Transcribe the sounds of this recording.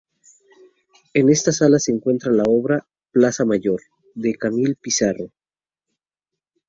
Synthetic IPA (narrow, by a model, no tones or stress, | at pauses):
e̞ne̞st̪asalase̞ːŋkwe̞nt̪ɾalao̞βɾa | plasamaʝo̞ɾ | ðe̞kamilpisaro̞